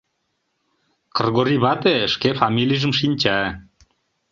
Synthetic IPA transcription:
kɤ̆rɣoɾiβɑt̪eʃkefɑmilʲijʒə̆mʃ̬inʲt͡ɕæ

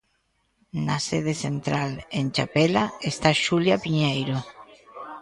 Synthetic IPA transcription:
naseð̞eθent̪ɾalent͡ʃapelaest̪aʃuljapiɲejɾo

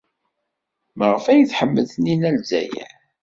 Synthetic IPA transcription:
məʁəfæjəθħəmːəðninælzæ̰jæ̰

